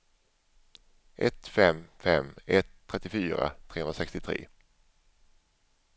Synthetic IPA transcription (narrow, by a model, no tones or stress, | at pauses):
ʔɛt̪fɛmfɛmːɛt̪ʰːɾɛt̪ːɪfyːɾa̰t̪ʰɾeːhɵnɾasɛkst̪ɪt̪ʰɾḛː